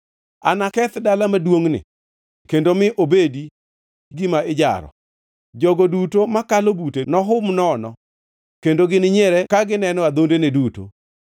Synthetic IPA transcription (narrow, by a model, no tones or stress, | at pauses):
anakɛt̪dalamadwoŋnɪ̰ | kendomɪʔobedi | ɡimaɪd͡ʒa̰ɾɔ̰ | d͡ʒɔɡodutomakalobutenɔɦʊmnɔnɔ | kendoɡɪnɪɲɛɾɛkaɡɪnɛnɔad̪ondeneduto̰